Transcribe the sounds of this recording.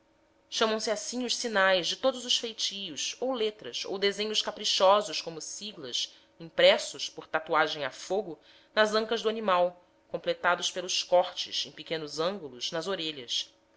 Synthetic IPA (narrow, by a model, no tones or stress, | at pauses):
ʃɐ̃mɐ̃w̃sɪasĩɲʊʃsinajzd͡ʒɪt̪od̪ʊzʊʃfejt͡ʃijʊsowlet̪ɾɐ̰so̰wd̪ezẽɲʊʃkapɾiʃɔzʊʃkõmʊsiɡlɐs | ĩŋpɾɛsʊspoɾt̪at̪uaʒẽj̃afoɡʊ | nɐzɐ̃ŋkɐzd̪uanimaw | kõplet̪ad̪ʊspelʊskɔχt͡ʃɪ̰sẽj̃pikẽnʊzɐ̃ŋɡulʊznɐzoɾeʎɐs